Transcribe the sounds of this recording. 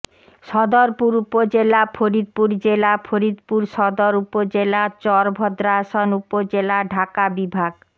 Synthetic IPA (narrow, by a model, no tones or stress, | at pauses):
ʃɔd̪oɾpuɾupod͡ʑelapʰoɾid̪̚puɾd͡ʑelapʰoɾid̪puɾʃɔd̪oɾupod͡ʑelat͡ɕɔɾbʱɔd̪ɾaʃonupod͡ʑelaɖʱakabibʱaɡ